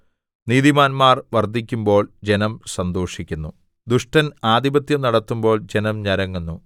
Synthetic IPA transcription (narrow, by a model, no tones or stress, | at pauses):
niːðimaːnmaːrʋɐrd̪ʱikʲːumbo̞ːɭd͡ʑenɐmsɐnd̪o̞ːʂikʲːunːu | d̪uʂʈɐnaːd̪ibɐt̪jɐmnɐɽɐt̪ːumbo̞ːɭd͡ʑe̞nɐmɲɐɾɐŋːunːu